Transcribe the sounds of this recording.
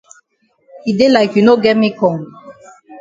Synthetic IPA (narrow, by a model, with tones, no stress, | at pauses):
hide˦laɪkju˨no˦ɡɛ˦t̚mi˦kʰɔ̃˨ŋ